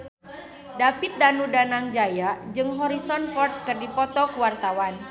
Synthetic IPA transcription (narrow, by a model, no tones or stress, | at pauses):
dapit̪̚danudanaŋd͡ʒajad͡ʒɨŋɦɔɾisɔnfɔrt̪̚kɨrdipɔt̪ɔkuwart̪awan